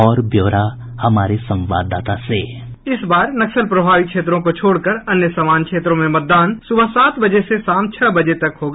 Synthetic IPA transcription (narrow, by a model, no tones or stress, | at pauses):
ɔːɾbjoːɾa | hɐmaːɾesɐ̃mʋa̰ːd̪aːt̪aseː | ɪsbaːɾnɐksəlpɾɐbʱaːʋikʃeːt̪ɾõkot͡ʃʰoːɽkəɾɐnjəsaːmaːnkʃeːt̪ɾõmẽmɐt̪̚d̪aːnsʊbʱasaːt̪bɐd͡ʒesesaːmt͡ʃʰəbɐd͡ʒet̪ɐkɦoːɡaː